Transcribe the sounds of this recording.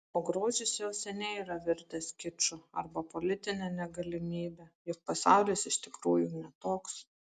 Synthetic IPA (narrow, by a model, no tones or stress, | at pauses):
oːɡɾoːʒʲɪsjɛʊsʲɛnʲɛiːɾɐʋʲɪɾʲt̪ʲɛskʲɪt͡ʃʊɐ̰ɾbɐpolʲɪt̪ʲɪnʲɛnʲɛɡɐlʲɪmʲiːbʲɛjʊk̚pɐsɑˑʊlʲisɪʃt̪ʲɪkɾuːjʊnʲɛt̪oːks